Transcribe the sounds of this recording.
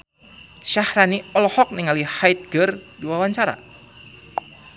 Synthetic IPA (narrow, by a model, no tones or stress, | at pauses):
ʃahɾaniɔlɔhɔk̚niŋalihajt̪̚ɡərdiwawaɲt͡ʃaɾa̰